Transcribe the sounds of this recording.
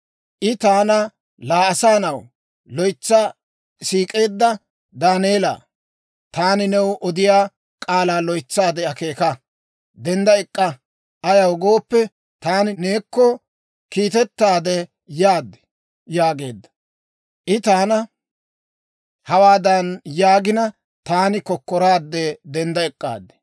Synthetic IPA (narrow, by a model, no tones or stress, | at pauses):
ʔɪt̪aːnɐ | laːɐsaːnɐw | lɔjt͡sːɐ | siːkʼe̞ːd̪ːɐ | d̪aːneːla̰ː | t̪aːnɪnɛwʔɔd̪ɪjaː | kʼaːlaːlɔjt͡sːaːd̪ɛɐke̞ːkɐ | d̪ɛnd̪ɐɛkʼːɐ | ɐjɐwɡo̞ːpːɛ | t̪aːnɪne̞ːkːɔ | kiːt̪ɛt̪ːaːd̪ɛ | jaːd̪ːɛ̥ | jaːɡe̞ːd̪ːɐ̥ | ʔɪt̪aːnɐ | hɐwaːd̪ɐnjaːɡɪnɐ | t̪aːnɪkɔkːɔɾaːd̪ːɛd̪ɛnd̪ɐɛkʼːa̰ːd̪ːɛ̥